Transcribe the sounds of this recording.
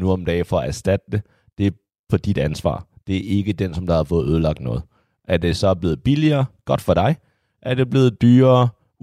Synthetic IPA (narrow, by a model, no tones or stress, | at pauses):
nuɒ̽md̥ɛ̰ːfɒ̽ɒæɐsd̥æd̥əd̥e | d̥e̝ | pʰɒ̽d̥id̥ænsʋɑ̰̈ːd̥e̝æʔe̝ɡ̥əd̥ensɒ̽md̥ɑhɑ̈fɔ̽ːð̞̩ˠøð̞ˠəlɑ̈ɡ̥̚d̥nɔ̽ːð̩ˠ | ʔæɐd̥e̝sɒ̽b̥le̝ːð̞̩ˠb̥iliɐːɡ̥ɒ̽d̥fɒ̽ɾ̥ɑ̈ɪ | ʔæɐd̥e̝b̥le̝ːð̩ˠd̥yːɐː